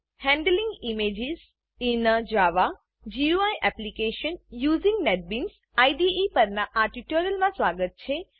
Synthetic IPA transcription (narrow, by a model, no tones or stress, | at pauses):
hɛ̃ɳɖəlĩŋɡimed͡ʒiz | inəd͡ʒaʋa | d͡ʒiuajʔɛplikeʃənjuːzĩŋɡneʈ̚bins | aiɖiipəɾnaʔaʈiʈoɾijəlmãsʋaːɡət̪̚t͡ʃʰe